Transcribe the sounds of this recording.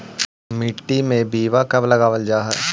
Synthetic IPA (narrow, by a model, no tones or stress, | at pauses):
mɪʈːimẽbiːʋakɐblɐɡaːʋəld͡ʒaːɦɛː